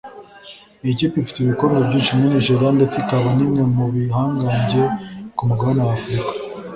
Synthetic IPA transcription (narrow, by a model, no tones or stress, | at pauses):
eciːpiifi̥teβikoɾɡwebɟiːt͡ʃimeniʒoɾandet͡sikaβanimŋe̞muβiɦaːŋɡaɲɟe̞kumuɡaanawafɾikḁ